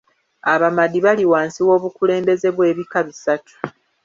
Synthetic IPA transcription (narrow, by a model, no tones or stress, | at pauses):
aβamadːiβaliwaːnsiwo̞ːβukule̞ːmbe̞ze̞βwe̞ːβikaβisatʰu̥